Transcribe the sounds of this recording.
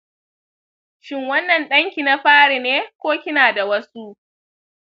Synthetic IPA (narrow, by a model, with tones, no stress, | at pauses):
ʃɪ˦ŋwɐ˦nːɐ˨nɗɐ˦ŋkʲiː˨na˦ɸaː˦ɽi˨neː˦kʷoː˦kʲɪ˦naː˨da˨wɐ˦su˦ʔ